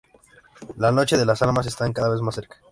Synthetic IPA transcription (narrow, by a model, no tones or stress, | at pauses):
lano̞t͡ʃe̞ðe̞lasalmas̬e̞st̪aŋkaðaβe̞zmasːe̞ɾkḁ